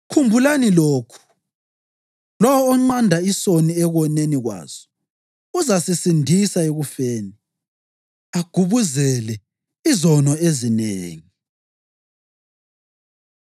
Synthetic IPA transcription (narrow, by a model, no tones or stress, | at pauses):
kʰumbʱulaniloːkʰu̥ | lɔwɔːŋ͡ǀandʱaisoniɛɣɔneniɣwa̰ːz̥ɔ̥ | uzasisindʱisaeɣufeːni | aɡ̥ʱuβuzɛlɛ | izɔnɔezineːŋi